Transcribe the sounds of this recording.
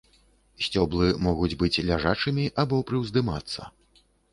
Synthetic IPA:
sʲt͡sʲɔblˠɨmɔɣud͡zʲbɨt͡sʲlʲaʐat͡ʂɨmʲiʔabɔpɾɨwzd̪ɨmat̪sːɐ̰

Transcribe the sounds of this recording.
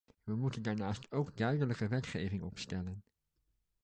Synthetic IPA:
ʋəmutəndaːɹnaːstowɡdœɥdələkəʋɛtχejvɪŋɔpstɛlən

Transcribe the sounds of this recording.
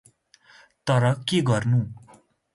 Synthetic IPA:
t̪ʌɾʌkiɡʌrnũ

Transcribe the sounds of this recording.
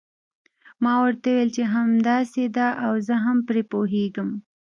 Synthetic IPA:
mɑwəɾt̪awelt͡ʃeɦamd̪ɑsed̪aʔawzəɦampɾepoɦeɡəm

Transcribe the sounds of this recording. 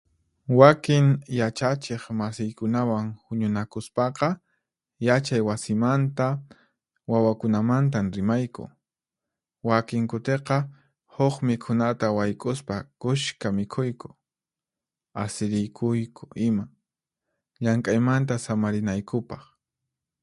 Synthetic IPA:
wakɪŋjat͡ʃat͡ʃeχmasɪjkʊnawaŋhʊɲʊnakʊspɑqɑ | jat͡ʃajwasɪmant̪a | wawakʊnamant̪̬amɾɪmajkʊ̰ | wakɪŋkʊt̪eqɑ | hoχmɪkʰʊnat̪awajkʼʊspakʊʃkamɪkʰʊjkʊ̥ | a̰sɪɾɪjkʰʊjkʊ̥ɪma | ʎaŋkʼajmant̪asamaɾɪnajkʊpɑχ

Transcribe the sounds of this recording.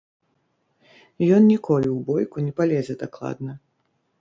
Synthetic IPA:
jɔnnʲikɔlʲiubɔjkunʲɛpalʲɛzʲɛd̪aklˠa̰d̪nɐ

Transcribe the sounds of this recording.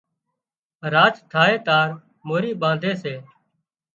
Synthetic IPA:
ɾaːd͡ʒt̪ʰaːeːt̪aːɾ | moːɾiːɓãːnd̪ʱeːseː

